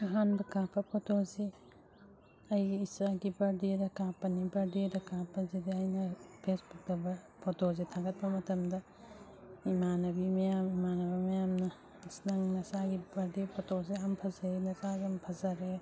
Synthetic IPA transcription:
ɐɦanbɐkãpʰɐpʰotozi | ɐjːsaɡibɐɾdedɐkãpɐnibɐɾdedɐkãpʰɐzidɐɐjnɐpʰesbuk̚dɐbɐ | pʰotozitʰaɡɐt̚bɐmɐtɐmdɐ | imanɐbimɐjamimanɐβɐmɐjamnɐ | snɐŋnɐsaɡibɐɾdepʰotozeɐmpʰɐzɐɾenɐsazɐmpʰɐzɐɾe

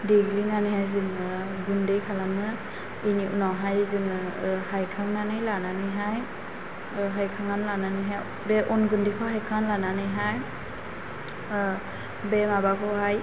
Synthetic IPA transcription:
diɡlinanɯjhajzɯŋɯ | ɡundejkʰalamɯ | iniʔunawɦajzɯŋɯhajkʰaŋnanɯjlananɯjɦaj | ɦajkʰaŋanlananɯjɦaj | bɛʔɔnɡundejkʰɔɦajkʰanlananɯjɦaj | bɛmabakʰɔɦaj

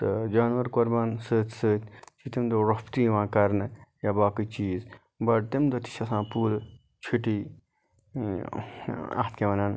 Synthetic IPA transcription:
t̪ɨd͡ʒaːnʋɐɾkoɾbɐnsɨːt̪ʰʲsɨːt̪ʲt͡ʃit̪imd̪oɾɐpt̪iʋãːkɐɾnɨjaːbaːkit͡ʃiːz | bɐʈ̚t̪imd̪ot̪i̥ʃɐsãːpuːl | t͡ʃʰiʈi | ɐ̰ht̪ʰkeʋɐnan

